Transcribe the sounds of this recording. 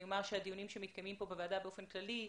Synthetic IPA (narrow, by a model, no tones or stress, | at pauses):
jomaʁʃead̪ijunimʃemit̪kajmimpo̞bevaːd̪abeo̞fe̞nklali